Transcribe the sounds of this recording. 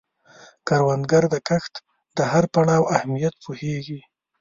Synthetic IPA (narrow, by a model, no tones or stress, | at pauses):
kaɾwand̪ɡaɾd̪əkaxt̪ | d̪əhaɾpaɳɑwahmijat̪̚pʰoheɡi